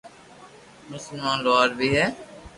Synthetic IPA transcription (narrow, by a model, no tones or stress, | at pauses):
mʊsəlmãːnlaːɾbʱiːɦɛː